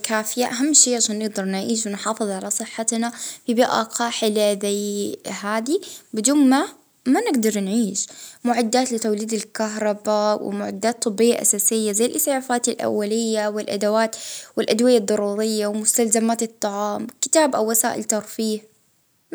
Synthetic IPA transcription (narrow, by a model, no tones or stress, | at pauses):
kaːfɪjaʔaɦamːʃiːʔʕaʃaːnːɪɡ̚d̪ɑɾˤnʕiːʃ̬wɪnħɑːfɨðˤʕalasˤɨħːat̪nafibiːʔa̰qɑːħɪlaðajhaːd̪ibɪd̪uːnma | manɪɡd̪ɑɾˤnʕiːʃmʊʕad̪ːaːt̪lɪt̪awliːd̪alkaɦɾˤɑbawɪ̰mʊʕa̰d̪ːaːt̪ˤːɨbːɪjːaʔa̰saːsɪjːazajːlʔɪsʕafaːt̪alʔa̰wːalɪjːawɪlʔa̰d̪awaːt̪wɪlʔad̪wɪjɑd̪ˤːɑɾˤuːɾɪjːawɪmʊst̪alzamaːt̪ɨt̪ˤːɑʕɑːmkɪ̥t̪aːbʔawːasaːʔɪ̰lt̪ɑɾˤfiːh